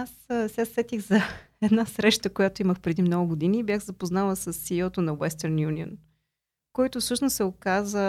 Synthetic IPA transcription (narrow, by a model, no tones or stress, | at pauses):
assɛɐsːɛt̪ixzɐ | ɛd̪nasɾɛʃt̪əkojat̪oiməxpɾɛd̪imnɔɡʊɡʊd̪iniːbʲjaɣzɐpoznalˠəsɐsːiɔt̪onɐwɛst̪əɾnjunio̰n | kɔjt̪ʊfsɤʃnʊssɛokazə